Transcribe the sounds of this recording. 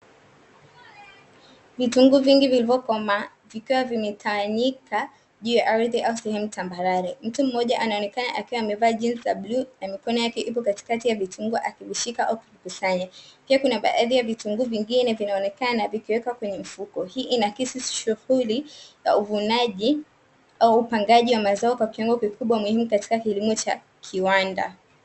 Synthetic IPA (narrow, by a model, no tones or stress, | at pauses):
vituŋɡuviŋɡivilivɔkɔma | vikiwavimɛtʰawaɲika | ʄuːjaʔaɾiðɛʔausɛhɛmutambaɾaɾɛm̩tum̩ːɔʄaʔanaɔnɛkana̰ʔakiwaːmɛvaːʄinsizablunamikɔnɔjakɛʔip̬ɔkati̥katijavituŋɡuʔakiviʃikaʔaukivikusaɲapiakunaɓa̰ʔaðijavituŋɡuviŋɡinɛvinaɔnɛkanavikiwɛkakwɛɲɛm̩fukɔhiːʔinakisisʃuhuliza̰uvunaʄi | auːpaŋɡaʄiwamazaɔkwakiwɔŋɡɔkikuɓwamuhimukati̥kakilimɔt͡ʃa̰ | kʰiwanda̰